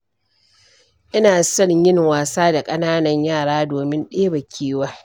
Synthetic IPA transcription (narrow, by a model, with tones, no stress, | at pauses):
ʔɪ˦naː˨sɐ˦˨jɪ˦ŋwaː˨saː˦da˨kʼɐ˦naː˦nɐ˦ɲjaː˦˨ɽaː˦doː˨mɪ˦nɗeː˦bɐ˨kʲʰiː˦waː˦